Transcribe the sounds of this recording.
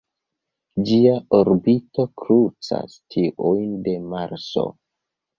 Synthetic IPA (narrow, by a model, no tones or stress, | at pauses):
d͡ʒiaoɾbito̞kɾut͡sa̰stʰiʔujnde̞maɾso̞̰